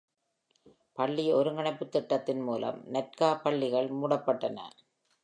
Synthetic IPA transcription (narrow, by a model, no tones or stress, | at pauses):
pɐɭːiɔɾɯŋɐɳɐɪpːɯt̪ːɪʈːɐt̪ːɪnmuːlɐ̰mnɐt̚kaːpɐɭːɪɣɐɭmuːɽɐpːɐʈːɐnɐ̰